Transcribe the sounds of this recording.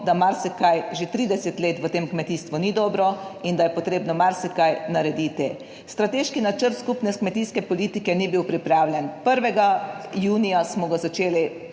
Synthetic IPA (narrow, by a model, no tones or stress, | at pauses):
d̪amaɾsikajʒet̪ɾiːd̪ɛsɛt̪leːt̪ʋət̪eːmkmɛt̪iːst̪ʋunid̪ɔːbɾɔind̪ajɛpɔt̪ɾeːbnɔmaɾsikajnaɾɛd̪iːt̪i | st̪ɾat̪eːʃkinat͡ʃəɾt̪skupnɛskmɛt̪iːskɛpɔliːt̪ikɛnibiwpɾipɾaːwlʲjɛnpəɾʋɛɡajuːnijasmɔɡazat͡ʃeːli